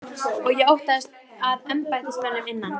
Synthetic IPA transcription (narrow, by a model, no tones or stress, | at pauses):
ɔɣjɛowht̪aðɪst̪ | aðɛmpajt̪ɪst̪anʏmɪnːan